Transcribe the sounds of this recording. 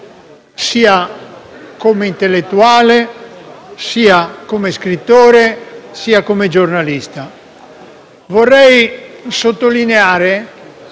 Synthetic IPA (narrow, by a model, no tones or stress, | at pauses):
siːa | komeint̪elːet̪ːuaːle | siːakomeskɾit̪ːoːɾesiːakomed͡ʒornalist̪a | vorːɛjsot̪ːolineaːɾe